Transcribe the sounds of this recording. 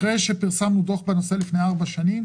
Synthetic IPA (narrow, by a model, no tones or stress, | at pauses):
ʁejʃe̞piʁsamnud̪o̞χbeno̞se̞lifne̞jaʁbaʃanim